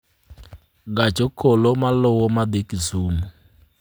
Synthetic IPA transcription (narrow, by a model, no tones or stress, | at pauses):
ɡat͡ʃɔkʰɔlɔmalɔwɔmad̪ekisuːmu